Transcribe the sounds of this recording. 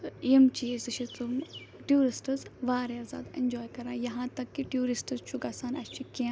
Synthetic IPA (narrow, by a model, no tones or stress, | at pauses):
imt͡ʃizɨʃʰit͡sumʈjuːɾisʈɨzʋaːɾeɐɾza̰ːd̪ḛnd͡ʒɔːjkɐɾãːjɐɦãːt̪ɐkːiʈjuːɾisʈɨzt͡ʃʰuɡaːsaːnɐst͡ʃʰikiã